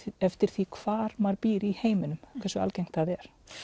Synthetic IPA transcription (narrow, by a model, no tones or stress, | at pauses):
ɛft̪ɪɾ̥θikʰv̥aːɾmaɾpiːɾɪiheːjmɪnʏmkʰvɛrsʏa̰lcejŋ̥t̪θaðɛɾ̥